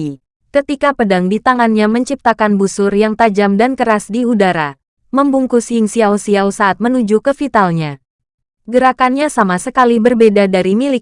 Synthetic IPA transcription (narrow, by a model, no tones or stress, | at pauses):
kət̪ikapədaŋdit̪aŋanɲaməɲt͡ʃip̚t̪akanbusʊrjaŋt̪ad͡ʒamdankəɾasdiudaɾa | məmbuŋkusiɪŋsiawsiawsaʔat̪̚mənud͡ʒukəfit̪alɲa | ɡəɾakanɲasamasəkalibərbedadaɾimili